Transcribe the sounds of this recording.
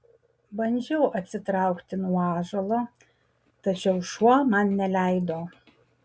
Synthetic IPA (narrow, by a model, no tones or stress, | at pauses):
bɐnʲd͡ʒʲɛʊʔɐt̪ʲsʲɪt̪ɾɑˑʊkt̪ʲɪnuɔɑːʒɐlˠoː | t̪ɐt͡ʃʲɛʊʃuɔmɐnnʲɛlʲæˑɪd̪oː